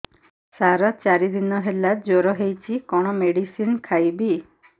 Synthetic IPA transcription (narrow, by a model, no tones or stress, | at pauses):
saɾɔt͡ʃaɾid̪inɔɦelad͡ʒoɾɔɦejt͡ʃʰikɔɽ̃ɔmeɽisinkʰajbi